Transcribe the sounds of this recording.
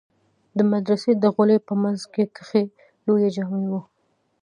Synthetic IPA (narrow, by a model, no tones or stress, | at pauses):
d̪əmad̪ɾased̪əɣʊlepəmanzket̪ʰə̥xe | lojad͡ʒamunwu